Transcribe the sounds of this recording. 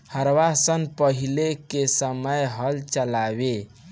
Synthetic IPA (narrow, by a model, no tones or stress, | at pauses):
həɾwasənpəɦilekesəməjɦəlt͡ʃəlabe